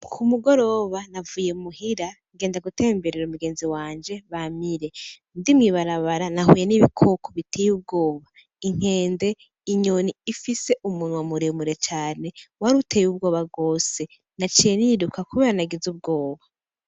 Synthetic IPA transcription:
kʰumuɡo̞ɾo̞βanavuːje̞muhiɾaŋɡeːndaɡutʰe̞ːmbe̞ɾeɾumuɡe̞ːnziwaːɲd͡ʒe̞βamiɾe̞ | ndimŋiːβaɾaβaɾanahujeniβikʰo̞kʰoβitʰejub̚ɡo̞ːβa | iŋ̥e̞ːnde̞ | iɲo̞niifise̞ʔumunwamuɾemuɾet͡ʃaːne̞waɾutejub̚ɡo̞ːβab̚ɡo̞ːse̞ | nat͡ʃijenidukakuβeːɾanaɡizub̚ɡo̞ːβa

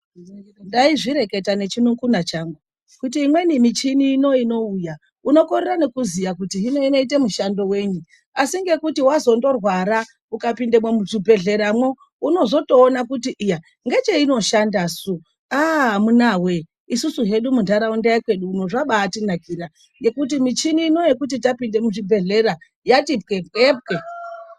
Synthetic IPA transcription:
ndaiʐiɾe̞ke̞tane̞t͡ʃinuŋkunat͡ʃaŋɡu | kut̬iːmwe̞nimit͡ʃiniːno̞ino̞uja | uno̞korerane̞kuzijakutiɦino̞ino̞it̬emuʃando̞we̞ɲu | asiŋɡe̞kutiwazo̞ndo̞rwaɾa | ukapindemwemut͡subʱe̞ɮe̞ɾamwo | uno̞zo̞to̞ːnakutiʔːja | ŋɡe̞t͡ʃeino̞ʃandasu | aamunawe | isusuɦe̞ɗumundʱaɾaundajekwe̞ɗuːno̞ʐaɓaːtinakiɾa | ŋɡe̞kut̬imit͡ʃiniːno̞jekut̬itapinde̞muʐibʱe̞ɮe̞ɾa | jatip̚kepkep̚ke

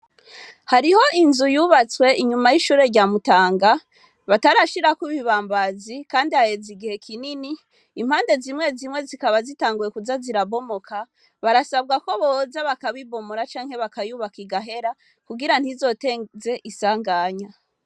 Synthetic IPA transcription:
haɾiho̞ʔinzujuːβat͡swe̞iɲumajiʃuːɾe̞ɾɟaːmutaːŋɡa | βataɾaʃiɾakwuβiβaːmbazikaːndihajeziɡihe̞kʰininiː | m̥haːnde̞zimŋe̞zimŋe̞zikaβazitaːŋɡuje̞kuzaziɾaβo̞mo̞kʰa | βaɾasab̚ɡako̞βozaβakaβibo̞moɾat͡ʃaːŋhe̞βakajuβakiɡaɦe̞ɾa | kuɡiɾan̥hizo̞teze̞ʔisaːŋɡaːɲa

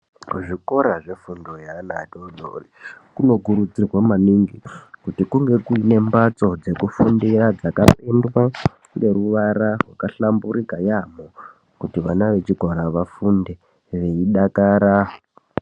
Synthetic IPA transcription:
ʐiko̞ɾaʐe̞fundojanadoɗʱo̰rikuno̞ɡʱuɾud͡zirwamaniŋɡikutikuŋɡe̞kuine̞mbat͡so̞d͡ze̞kufundirad͡zakapendwa | ŋɡe̞ɾuʋaɾarwakaɬambuɾikajamo | kutiʋanaʋe̞t͡ʃiɡʱwaɾaʋafunde | ʋe̞iɗakaːɾa

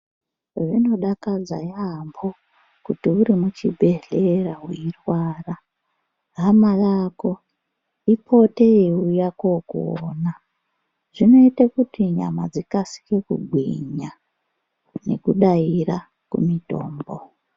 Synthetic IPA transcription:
ʐino̞ɗakad͡za̰jambo | kutiuɾimut͡ʃḭbʱe̞ɮeraɦuirwaːra | ɦamalako̞ | ipʰo̞te̞iujakokuo̰ːna | ʐ̥ino̞itakutiɲa̰ma̰d͡zikasi̥ke̞kṵɡʱwḭɲa | ne̞̰kuɗaira | kṵmito̞̰ːmbo

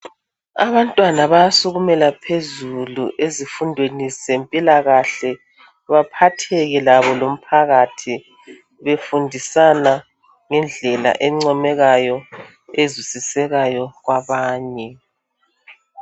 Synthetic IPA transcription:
a̰βantʼwanaβajasuɣumɛlapʰezuluʔezifundʱwenizzempʼilaɣaɬɛ | βapʰatʰɛɣɛlaβɔlom̩pʰaɣatʰi | βefundʱisana | ŋɛnd͡ɮʱɛla̰ʔɛmŋ͡ǀɔmɛɣajɔ | ezwisisɛɣajɔɣwaβaːɲɛ

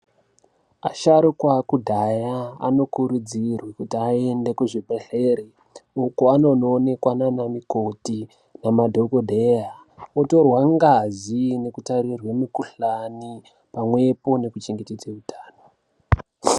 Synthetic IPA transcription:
aʃaɾukwakudʱajaa̰no̞kuɾud͡zirwekutiae̞nde̞kuʐibʱeɬe̞ɾe | ukoano̞noːne̞kwananamiko̞ti | namadʱokodʱeja | oto̞rwaŋɡazine̞kutaɾirwemukuɬani | pamwe̞po̞ne̞kut͡ʃiŋɡetid͡zeutʰaːno

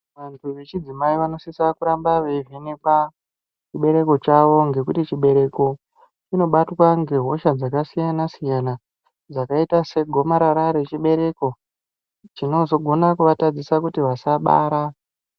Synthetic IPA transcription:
ʋantʰuʋe̞t͡ʃid͡zimaiʋano̞sisakuɾambaʋevinepa | t͡ʃiɓe̞ɾe̞ko̞t͡ʃaʋo̞ŋɡe̞kutit͡ʃiɓe̞ɾe̞ko̞ | t͡ʃino̞ɓatwaŋɡe̞ɦo̞ʃad͡zakasijanasijana | d͡zakaitase̞ɡʱo̞maɾaɾaɾe̞t͡ʃiɓe̞ɾe̞ko̞ | t͡ʃino̞zo̞ɡʱo̞nakuʋatad͡zisakutiʋasaɓa̰ːɾa

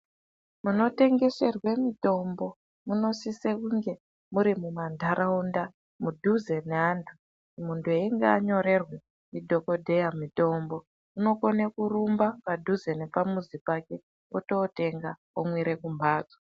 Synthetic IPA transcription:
muno̞te̞ŋɡe̞se̞rwe̞mito̞mbo̞ | muno̞sisekuŋɡe̞ | muɾimumandʱaɾʔaunda | mudʱuzeneɦantʰu | muntue̞ŋɡaaɲo̞ɾe̞rwe | midʱo̞ko̞dʱe̞jamito̞mbo̞ | uno̞konekurumbapadʱuzene̞pamuzipake̞ | oto̞te̞ŋɡa | omwiɾe̞kumbʱaːd͡za

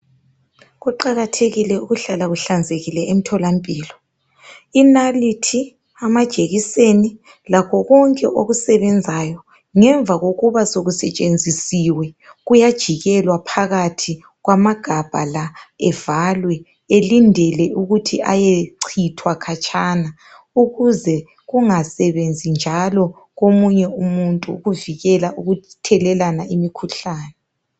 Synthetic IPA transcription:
ɣuǃaɣatʰeɣilɛuɣuɬalaɣuɬand͡zʱeɣilɛʔem̩tʰɔlampʼiːlɔ | inalitʰi | amad̥ʒ̥ʱeɣiseni | lakʰɔɣɔŋkʼɛ̰ʔoɣusɛβɛnd͡zʱajɔ | ŋɛɱvʱaɣoɣuβasoɣusɛt͡ʃʼend͡zʱisiwɛɣujad̥ʒ̥ʱiɣɛlwapʰaɣatʰi | ɣwamaɡ̥ʱab̥ʱalaɛvalwɛ | elindʱɛlɛʔuɣutʰiʔa̰jeǀʰitʰwakʰat͡ʃʼaːna | uɣuzɛ | ɣuŋasɛβend͡zʱind͡ʒʱalɔ | ɣomuɲɛumuntʼuɣuviɣɛlauɣutʰɛlɛlanaimikʰuɬaːnɛ

